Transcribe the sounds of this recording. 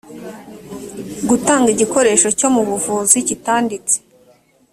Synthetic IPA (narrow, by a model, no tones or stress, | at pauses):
ɡutaːŋɡiɟiko̞ɾe̞ːʃo̞co̞muβuvuːzicitaːndit͡se̥